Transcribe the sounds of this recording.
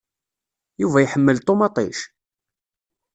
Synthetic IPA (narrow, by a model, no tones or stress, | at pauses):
juvæjħəmːəlt̪ˤomɑt̪ˤiʃ